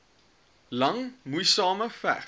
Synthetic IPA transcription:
lɐŋmujsɑːməfæ̰

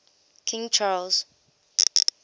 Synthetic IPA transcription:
kʰĩŋt͡ʃʰalz̥

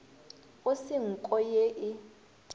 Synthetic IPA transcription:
ʊsiŋ̩kʼɔjeʔɪ

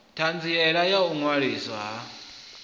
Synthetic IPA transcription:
tʰand͡ziɛɺajauŋwaɺisaɦa

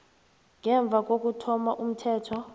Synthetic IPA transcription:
ŋɛɱb̪vʱak̬ok̬ʼutʰɔmaʔum̩tʰɛːtʰɔ

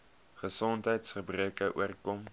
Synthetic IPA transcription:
χəsɔntɦəjtsχəbrikəʔṵərkɔm

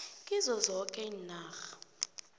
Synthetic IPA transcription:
kʼizɔzɔkʼɛinaːxḁ

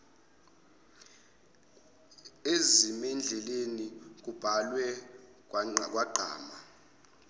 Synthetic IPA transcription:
ezimɛnd͡ɮʱɛlenik̬ub̥ʱalwɛ | k̬k̬ʼwaɡ͡ǃʱa̰ːma

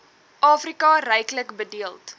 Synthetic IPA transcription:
ʔɑːfrikɑrɛjkləkbədiəlˠt

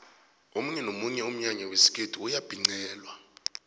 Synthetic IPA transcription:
omuɲɛnomuɲɛum̩ɲaɲawesi̥kʼetʰʼiujab̥ʱiŋ͡ǀɛːlwa

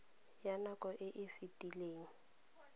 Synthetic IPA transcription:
janakɔʔɪʔɪfɪtʼileːŋ̩

